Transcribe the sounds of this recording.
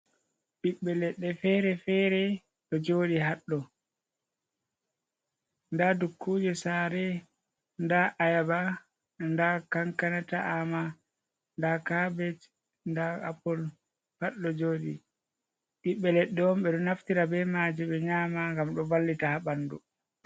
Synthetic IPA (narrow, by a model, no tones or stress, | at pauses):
ɓiɓːɛlɛɗːɛfɛɾɛfɛɾɛ | ɗɔd͡ʒoːɗiɦaɗːɔ | ndadukʰːud͡ʒɛsaːɾɛ | ndaʔajaba | ndakaŋkanataʔama | ndakabɛt͡ʃ | ndaa̰pːɔl | haɗːɔd͡ʒoːɗḭ | ɓiɓːɛlɛɗːɛwɔmɓɛɗɔnaftiɾabɛmaːd͡ʒiɓɛɲaːmaŋɡamɗɔvalːitahaɓandṵ